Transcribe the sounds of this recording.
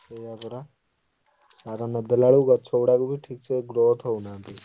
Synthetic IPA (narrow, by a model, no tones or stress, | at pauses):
sejabɐɾa | saːɾanɐd̪ɐlaɭuɡat͡ʃʰoːɽakobʱiʈʰiːkseɡɾoːt̪ɦonaːt̪i